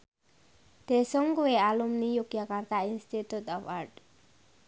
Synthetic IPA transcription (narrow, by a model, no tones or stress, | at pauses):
d̪̥esɔŋkuealumnijuɡjakart̪ainst̪it̪ut̪ɔpaɾɖ